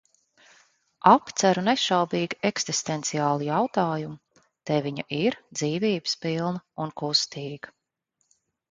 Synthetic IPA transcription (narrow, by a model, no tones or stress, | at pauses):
apt̪sæɾunɛʃawbiːɡiɛksist̪ent̪siaːlˠijawt̪aːjum | t̪ɛviɲa̰ʔiɾd̪ziːviːbɨ̥spilˠnɐunkust̪iːɡə̥